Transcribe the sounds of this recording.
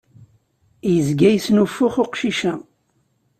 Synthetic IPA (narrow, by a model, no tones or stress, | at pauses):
jəzɡæjsnufːʊχoqʃiʃæ